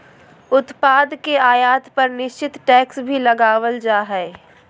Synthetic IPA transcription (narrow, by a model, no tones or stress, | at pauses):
ʊt̪paːd̪keaːjaːt̪pɐɾnɪʃt͡ʃɪt̪ʈɛːksbʱilɐɡaːʋəld͡ʒaːɦɛː